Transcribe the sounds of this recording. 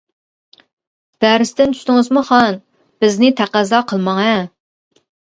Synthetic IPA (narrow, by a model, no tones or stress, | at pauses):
b̪̥æɾɪst̪ɪnt̪ʰy̥ʃʲt̪ɪŋɨzmuχɑn | b̥ɪznɪt̪ʰæqæzɑqʰəlˠmɑŋɛ